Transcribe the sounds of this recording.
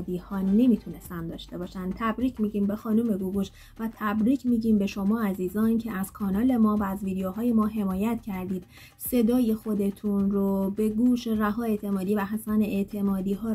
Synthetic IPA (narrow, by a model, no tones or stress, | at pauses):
d̪iːhɒːne̞miːt̪ʰune̞st̪ænd̪ɒːʃt̪e̞bɒːʃænd̪t̪ʰæbɾiːcʰmiːɟiːmbe̞xɒːnume̞ɡuɣuʃ | væt̪ʰæbɾiːcʰmiːɟiːmbe̞ʃo̞mɒːæziːzɒːncʰeæz̥kʰɒːnɒːle̞mɒːvæːzviːd̪eoɦɒːje̞mɒːɦe̞mɒːjæt̪cʰæɾd̪iːd̪̥ | se̞d̪ɒːje̞xo̞d̪e̞t̪ʰunɾobe̞ɡuːʃeræɦɒːe̞t̪ʰe̞mɒːd̪iːvæɦæsæneʔeʔt̪ʰe̞mɒːd̪iːɦɒː